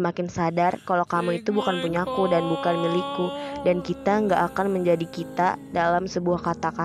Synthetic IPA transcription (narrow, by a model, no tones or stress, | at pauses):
əmakɪnsadarkalokamuit̪ubukanpuɲakudanbukanmilikudankit̪aəŋɡaʔːkanməɲd͡ʒadikit̪a̰dalamsəbuahkat̪aka